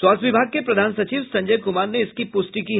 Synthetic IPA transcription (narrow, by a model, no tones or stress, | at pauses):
swaːt̪ʰʋɪbʱaːɡ̚kepɾɐd̪ʱaːnsɐt͡ʃiːʋsɐ̃ɲd͡ʒəːkʊmaːɾneɪskipʊsʈiki